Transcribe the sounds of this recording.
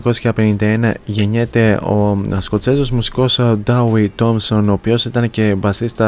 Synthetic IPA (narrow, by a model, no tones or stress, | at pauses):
ko̞sçɐpe̞nind̪ɐe̞nɐʝe̞ɲe̞t̪e̞o̞̰sko̞t͡sezozmusi̥ko̞sd̪ɐwit̪o̞mso̞noːpio̞sit̪ɐnce̞bɐsist̪ɐ